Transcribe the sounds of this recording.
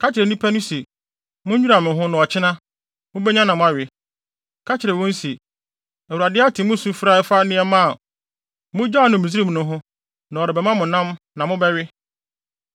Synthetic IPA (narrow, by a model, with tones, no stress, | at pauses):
kʰa˦t͡ɕɪ˨ɾɛ˨nĩ˦pʰa˦nʊ̃˦si˨ | mʊ̃˦ɲᶣu˦ɾa˨mɪ̃˨ɦʊ̃˦nʊ̃˨ɔ˨t͡ɕʰɪ˦nã˦ | mʊ̃˦bɛ˦ɲã˦nã˨mʊ̃˦a˨ɥɪ˨ | kʰa˦t͡ɕʰɪ˨ɾɛ˨wʊ̃˦n̩˦si˨ | æ˨u˨a˨dɪ˦a˦tʰɪ̃˨mʊ̃˦sũ˦fɾa˦ɪ˦fa˦nɪ̃˦ɛ˦mã˦a˨ | mʊ̃˦d͡ʑa˦˨nʊ̃˨mĩ˨s̬i˦ɾi˦m̃˨nʊ̃˦ɦʊ̃˦ | nã˨ɔ˨ɾɪ˨bɛ˨mã˦mʊ̃˨nã˦m | nã˨mʊ̃˦bɛ˦ɥɪ˦